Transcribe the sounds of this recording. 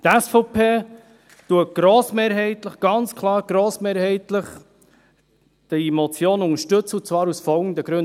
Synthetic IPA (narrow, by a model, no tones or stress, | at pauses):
t̪ɛsfɔʊpʰeː | t̪uət̚ɡ̥ɾoːsmeːɾɦɛɪt̪ləχɡ̥ɑnt͡skʰlˠɑːɾɡ̥ɾoːsmeːɾhɛɪt̪ləχ | d̥əmɔt͡sjoːnʊŋəʃtɵt͡səut͡svɑːɾusfɔlɡən̩d̪əɡ̥ɾɵn